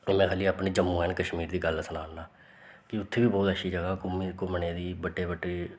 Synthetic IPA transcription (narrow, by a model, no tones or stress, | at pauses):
mɛ̃ːkʰaːliːaːpɳeːd͡ʒəmːũːɦɛːnkəʃmiːɾd̪iːɡəlsənaːɳnaː | kɪʊt̪ʰːeːʋiːbɔːt̪əʃiːd͡ʒəɡaːkʊmikʊmɳeːd̪iːbəʈːeːbəʈːeː